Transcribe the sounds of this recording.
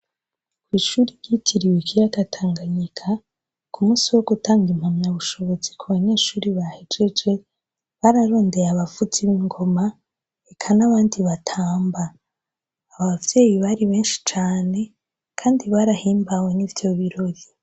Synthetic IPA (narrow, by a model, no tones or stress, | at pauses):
kwiːʃuːɾiɾɟitʰiɾiwekijaɡatʰaːŋɡaɲikʰa | kumuːsiwo̞ɡutaːŋɡim̥hamɲaβuʃo̞βo̞zikuβaɲe̞ʃuːɾiβahed͡ʒed͡ʒe̞ | βaɾaɾo̞ːnde̞ɾaβafutiβiŋɡo̞ma | ekʰanaβaːndiβatʰaːmbaː | βavje̞ːjiβaɾiβe̞ːnʃi̥t͡ʃaːne̞ | kʰaːndiβaɾahiːmbawenivjo̞βiɾo̞ɾi